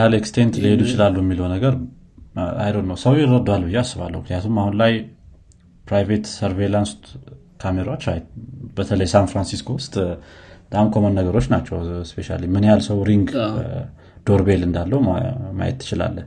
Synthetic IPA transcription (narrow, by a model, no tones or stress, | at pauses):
alekst̪ʰent̪lied̪ujt͡ʃɪlalːujɛmːiləwnəɡəɾ | a̰jlodnəwsəwjɪɾːəd̪oalːbɨjːeasːɨβa̰lːə̰hukʰɨnijat̪ʰumahunlaj | pɾajvet̪səɾvelans | kʰameɾaot͡ʃːajbət̪ʰələjsanfɾansiskʰowʊst̪d̪̥amkʰo̞mənːəɡəɾo̞t͡ʃːnat͡ʃːɛwspe̞ʃa̰limɨnjalsəwɾiŋɡ | d̪̥o̞ɾbelɨnd̪alːəuma̰jɛ̰t̪ʰːɨ̥t͡ʃɪla̰lːə